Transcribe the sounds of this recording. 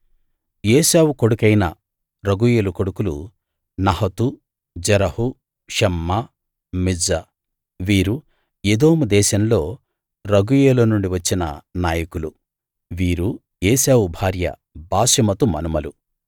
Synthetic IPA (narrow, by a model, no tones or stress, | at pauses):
jeːsaːwukoɽukɐjnɐ̰ | ɾɐɡujeːlukoɽukulṵ | nɐɦɐt̪u | d͡ʒɐɾɐhu | ʃɛmːɐ | mid͡ʒɐ | ʋiːɾu | ed̪o̞ːmud̪ɛːʃɐmlo̞ː | ɾɐɡujeːlɐnuɳɖiʋɐt͡ʃːinɐ̰naːjɐkulu | ʋiːɾu | jeːsaːwubʱaːɾjɐ̰ | baːsɐmɐt̪umɐ̰numɐlu